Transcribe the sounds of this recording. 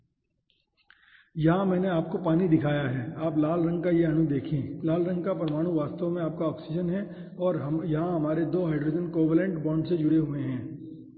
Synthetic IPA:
jɐɦãmɛ̃ːneaːp̚kopaːnid̪ɪkʰaːjaɦɛːaːplaːlɾɐ̃ŋɡkajeɐɽ̃ũd̪eːkʰẽːlaːlɾə̃ŋɡ̚kapɾɐmaːɽ̃ũʋaːst̪õmẽaːp̚kaɔːksɪd͡ʒənɦɛ̃ | ɔːɾɦjɐɦãɦɐmaːɾed̪oːɦaːɪɖɾoːd͡ʒənkoːʋəlẽɳʈbɔ̃ːɳɖsed͡ʒʊɽeɦueɦɛ̃ː

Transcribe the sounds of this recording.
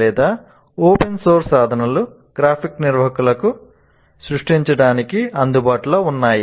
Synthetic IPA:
lɛːd̪aː | oːpensoːɾsaːd̪ʱɐnɐlu | ɡ̥ɾaːpʰikniɾʋɐɦɐkulɐku | sɾuʂʈiɲt͡ʃɐɽaːnikiɐnd̪ubaːʈuloːunːaːji

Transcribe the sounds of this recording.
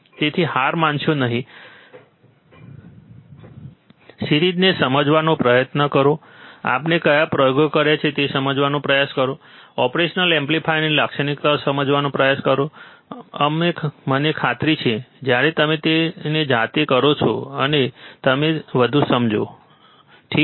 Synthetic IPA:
t̪et̪ʰiɦaɾmãnt͡ʃõnəɦĩ | siɾid̪nesəməd͡ʒʋanopɾəjət̪nəkəɾo | a̰pnekəjapɾəjoɡokəɾjat͡ʃʰet̪esəməd͡ʒʋanõpɾəjaskəɾoɔpɾeʃnəlẽmplipʰajneləkʃənikt̪aosəməd͡ʒʋanõpɾəjaskəɾo | əmemənekʰat̪ɾit͡ʃʰed͡ʒjaɾet̪əmet̪ened͡ʒat̪ekəɾot͡ʃʰoənet̪əmeʋəd̪ʱusəmd͡ʒo | ʈʰik

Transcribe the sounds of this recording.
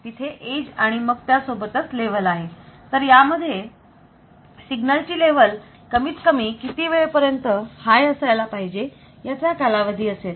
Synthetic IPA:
t̪it̪ʰeʔed͡ʑaɽ̃iməɡ̚t̪jasobət̪ət͡sleʋ̤əlaɦet̪əɾjaməd̪ʱːje | siɡnəlt͡ɕiːleʋ̤əl | kəmiːt͡skəmiːkit̪iːʋeɭepəɾjənt̪əhajəsəjlapaɦid͡ʑe | jat͡ɕjakalaʋəd̪ʱiːəset̪

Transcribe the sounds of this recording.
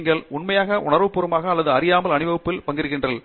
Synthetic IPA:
ŋɡɐɭʊɳmɐjaːɣɐʔʊɳɐɾʋɯpːʊɾɯmaːɣɐːlːɐðɯɐɾɪjaːmɐlɐɳɪʋɐʋɯpːɪlpɐŋɡɪɾɯɣɪndrɐl

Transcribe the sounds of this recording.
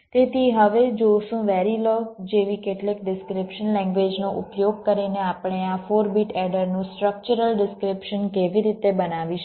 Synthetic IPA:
t̪et̪ʰiɦəʋed͡ʒoʃũʋɛɾilod͡ʒeʋikeʈlik̚ɖɪskɾɪpʃənlɛ̃ŋɡʋed͡ʒnoʔʊpjoɡ̚kəɾineapɳ̃eafoɾbiʈɛɖəɾnũsʈɾək̚t͡ʃuɾəlɖɪskɾɪpʃənkeʋiɾit̪ebənaʋiʃ

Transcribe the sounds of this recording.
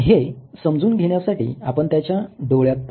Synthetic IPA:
ɦesəmd͡zuːnɡʱeɽ̃jasaʈḭːapəɳt̪jat͡ɕjaɖoɭjat̪̚p

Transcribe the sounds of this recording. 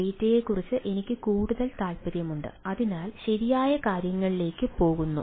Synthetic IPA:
ijtːɐjeːkːurit͡ɕːɨʔe̞nikʲːɨkuːɽuðɐlt̪aːlpɐɾjɐmuɳɖɨ̰ɐðinaːlɕɐɾijaːjɐkaːɾjɐŋːɐɭile̞ːkːɨpo̞ːɣunːṵ

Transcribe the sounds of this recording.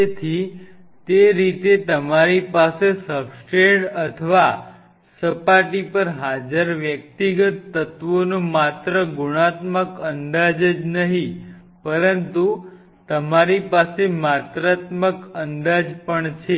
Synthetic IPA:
et̪ʰi | t̪eɾit̪et̪əmaɾipasesəpsʈeɳɖət̪ʰəʋa | səpaʈipəɾɦad͡ʒəɾʋjək̚t̪iɡət̪ːət̪ʋonũmat̪ɾəɡuɽ̃at̪məkənd̪ad͡ʒəd͡ʒnəɦĩ | pəɾənt̪u | t̪əmaɾipasemat̪ɾat̪məkənd̪ad͡ʒpəɳt͡ʃʰe

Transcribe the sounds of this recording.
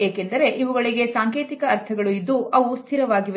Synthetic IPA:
eːkend̪ɐɾe̞ʔiʋuɡɐɭiɡe̞saːŋkeːt̪ikɐːɾt̪ʰɐɡɐɭuid̪ːuʔɐʋust̪ʰiɾɐʋaːɡiʋe

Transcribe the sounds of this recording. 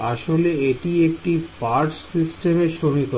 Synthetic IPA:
aʃoleeʈiek̚ʈipaɾʈssisʈemeʃonik̪o

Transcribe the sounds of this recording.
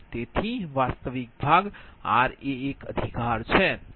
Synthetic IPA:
t̪et̪ʰiʋast̪əʋik̚bʱaɡa̰ɾeːkəd̪ʱikaɾt͡ʃʰɛ

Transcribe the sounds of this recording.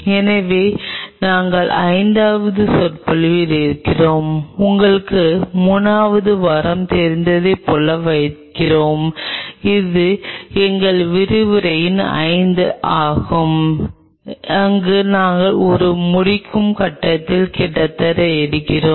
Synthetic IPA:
ɛnɐʋeːnaːŋɡɐɭɐɪnd̪aːʋɐðɯsɔrpɐɭɯʋɪlɪɾɯkːɪroːmʊŋɡɐɭɯkːɯmuːnaːʋɐðɯʋɐɾɐmt̪ɛɾɪnd̪ɐðɐpːɔɭːɐʋɐɪkːɪroːmɪðɯɛŋɡɐɭʋɪɾɯʋɯɾɐjɪnɐ̰ɪnd̪ɯʔaːɣɯm | ɐŋɡɯnaːŋɡɐɭɔɾɯmʊɽɪkʰːɯmkɐʈːɐt̪ːɪlkɛʈːɐt̪ːɐɾɐɛɾɯkːɪroː

